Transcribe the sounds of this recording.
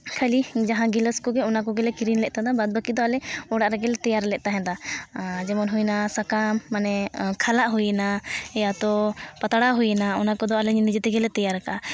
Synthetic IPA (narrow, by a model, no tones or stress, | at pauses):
kʰalid͡ʒaɦãɡiləskɔɡɛɔnakɔɡɛlɛkiɾinlɛʔ̚t̪ad̪abad̪̚bakid̪ɔalɛɔɽaʔɾɛɡɛlɛt̪ɛjaɾlɛʔ̚t̪aɦɛ̃d̪ad͡ʒɛmɔnɦujnasakamːanɛkʰalaʔɦujɛnaɛjat̪ɔpat̪aɽaɦujɛnaɔnakɔd̪ɔalɛɲnid͡ʒɛt̪ɛɡɛlɛt̪ɛjaɾɛkaʔa